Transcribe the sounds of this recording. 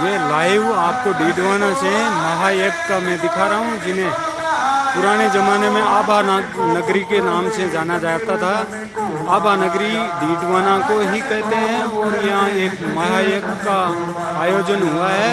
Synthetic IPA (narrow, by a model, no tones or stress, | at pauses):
jeːlaːɪʋaːp̚koɖiːɖʋaːnãsemɐɦaeːpkamɛ̃d̪ɪkʰaɾɐɦũd͡ʒɪnẽ | pʊɾaːned͡ʒɐmaːnemẽɐbaːnɐɡɾikenaːmsed͡ʒaːnad͡ʒaːt̪at̪ʰa | ɐbaːnɐɡɾiɖiːɖʋaːnãkoɦikɛɦt̪eɦɛ̃ʋojɐɦãeːkmɐɦaeːpka | aːjoːd͡ʒənɦuaɦɛː